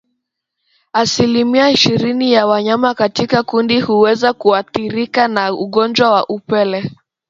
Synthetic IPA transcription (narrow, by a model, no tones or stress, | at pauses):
asilimiaiʃiɾinijawaɲamakatikakundihuwɛzakuaθiɾikanauɠɔnd͡ʒwawaʔupɛlɛ